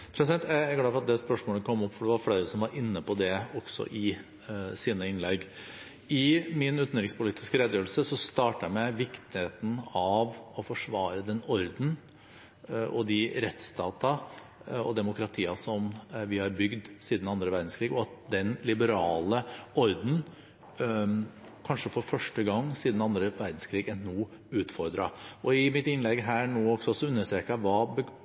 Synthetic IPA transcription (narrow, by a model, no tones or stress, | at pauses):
pʰɾɛsd̪ɛnt̪jææɾɡlɑːfɔɾɑt̪d̪ɛspœʂmoːləkʰɔmːɔpːfɔɖɛʋɑɾfɽæɪɾəsɔmʋɑɾʔɪnːəpɔd̪ɛɔksɔ̰ʔɪ | siːnəɪnlɛɡ | ɪmɪnʉːt̪nɾɪŋspʊliːt̪ɪ̥skəɾed̪jøːɾəl̩səsɔst̪ɑːʈæmɛʋɪkt̪ɪheːt̪n̩ɑʋɔfɔʂʋɑːɾəd̪ɛnɔɾd̪n̩ | ʔɔd̪ɪɾɛt̪st̪ɑːt̪ɑ | ɔ̰d̪ɛmʊkɾɑt̪ʰiːɑsɔmʋɪhɑɾbʏɡd̪siːd̪n̩ɑnd̪ɾəʋæɾd̪n̩skʰɾiːɡɔɑt̪̚d̪ɛnlɪbəɾɑːləɔɾd̪n̩ | kʰɑnʂəfɔɾfœʂʈəɡɑŋːsiːd̪n̩ɑnd̪ɾəʋæɾd̪n̩skʰɾiːɡɛnnuː | ʉːt̪fɔɾd̪ɾɑɔɪmɪt̪ɪnlɛɡɦæːɳoːɔksɔsɔʉnːəʂt̪ɾeːkɑʋɑːbə